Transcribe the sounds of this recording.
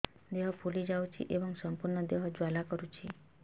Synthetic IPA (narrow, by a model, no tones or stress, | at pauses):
d̪eɦɔpʰulid͡ʒawt͡ʃʰḭʔebɔŋsɔmpuɾɳɔd̪eɦɔd͡ʒalakɔɾut͡ʃʰi